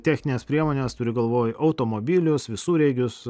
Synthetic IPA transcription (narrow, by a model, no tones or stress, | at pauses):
t̪ʲæːxʲnʲɪneːspʲɾʲiɛmoːnʲeːst̪ʊɾʲɪɡɐlˠʋoːjɐʊt̪oːmoːbʲɪːlʲʊsʋʲɪsuːɾʲɛɪɡʲʊs